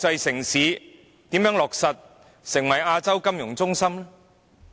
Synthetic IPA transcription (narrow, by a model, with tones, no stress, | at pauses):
t͡sɐ˧jsɪ˨˩ŋsiː˨˥ | t̪iː˨˥mjœː˨˥ŋlɔː˨k̚sɐ˨t̪̚ | sɪ˨˩ŋwɐ˨˩jaː˧t͡sɐ˥wkɐ˥mjʊ˨˩ŋt͡sʊ˥ŋsɐ˥mlɛ˥